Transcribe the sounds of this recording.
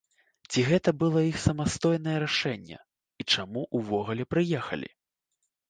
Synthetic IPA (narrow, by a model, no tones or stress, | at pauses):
t͡sʲiɣɛt̪ɐbɨlˠɔixsɐmast̪ɔjnɐjɛɾaʂɛnʲːɛ̰ | it͡ʂamuʔuvɔɣulʲɛpɾɨjɛxɐ̰lʲḭ